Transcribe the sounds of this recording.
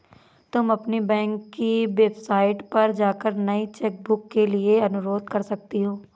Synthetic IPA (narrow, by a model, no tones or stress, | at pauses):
t̪ʊmɐpnibɛ̃ːŋkːiʋeːbsaːɪʈpɐɾd͡ʒaːkəɾnɐit͡ʃɛːk̚bʊkːelieɐnʊɾoːd̪kɐɾsɐk̚t̪eɦoː